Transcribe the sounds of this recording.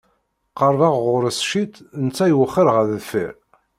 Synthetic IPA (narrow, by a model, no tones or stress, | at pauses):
qɑɾˤvɑʁʁʊɾəsʃit̪nt͡sːæjwəχːəɾʁəððfə̰ɾ